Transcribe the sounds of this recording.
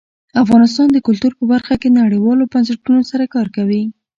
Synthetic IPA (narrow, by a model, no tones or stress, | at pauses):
afɣɑnɪst̪ɑnd̪əkʊlt̪uɾpəbaɾxakenaɽəjwɑlobansaʈunosaɾakɑɾkawi